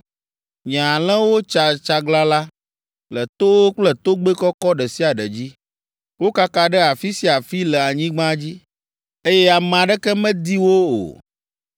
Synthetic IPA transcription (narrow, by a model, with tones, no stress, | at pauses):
ɲã˨a˨l̃ɛ̃˦wo˦t͡ʃa˨t͡ʃa˦ɡla˦la˦ | lɛ˨t̪o˦wo˦k͡plɛ˨t̪o˦ɡ͡be˦kɔ˦kɔ˦ɖɛ˨si˦a˨ɖɛ˨d͡ʑi˦ | wo˦ka˦ka˦ɖɛ˦a˨fi˦si˦a˨fi˦lɛ˨a˨ɲĩ˦ɡ͡bã˦d͡ʑi˦ | e˦jɛ˦a˨m̃˨ã˨ɖɛ˦kɛ˦mɛ̃˦d̪i˦wo˦o̰˨